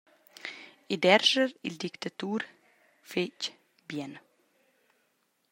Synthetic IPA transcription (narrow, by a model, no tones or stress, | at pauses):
id̪ɛɾʒəɾild̪ikt̪at̪uːɾ | fec | bjɛn